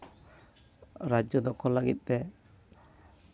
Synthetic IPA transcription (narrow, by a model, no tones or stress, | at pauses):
ɾad͡ʒjɔd̪ɔkɔlaɡit̪̚ˀt̪ɛ